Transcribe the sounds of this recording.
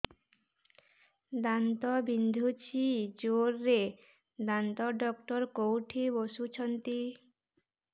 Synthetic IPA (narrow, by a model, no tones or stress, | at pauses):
d̪ant̪ɔbind̪ʱut͡ɕʰid͡ʑoɾːe | d̪ant̪ɔɖɔk̚ʈɔɾkowʈʰiboʃut͡ɕʰɔnt̪i